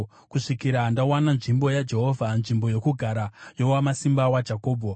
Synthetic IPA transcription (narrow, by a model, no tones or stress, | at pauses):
kuʂikiɾaːndawananʐimbo̞jad͡ʒe̞ɦo̞vʱanʐimbo̞jo̞kuɡʱaɾajo̞wamasimbawad͡ʒʱako̞ːbʱo